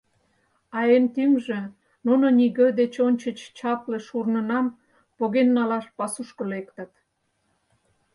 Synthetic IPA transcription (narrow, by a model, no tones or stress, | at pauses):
ɑjent̪yŋʒĕ | nunoniɣə̆d̪et͡ɕonʲt͡ɕət͡ɕt͡ɕɑpleʃurnə̆nɑm | poɣenːɑlɑʃpɑsuʃkəlekt̪ə̆t̪